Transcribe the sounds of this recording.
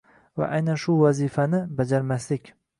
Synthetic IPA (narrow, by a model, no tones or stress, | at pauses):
va̰ʔajnanʃʊvazifanɪbad͡ʒaɾmaslɪkʲ